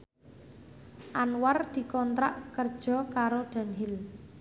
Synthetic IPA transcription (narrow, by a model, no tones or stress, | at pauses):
ʔanward̪̥i̤kɔnt̪ɾaʔkərd̥ʒ̥ɔ̤kaɾoɖ̪̥a̤nɦɪl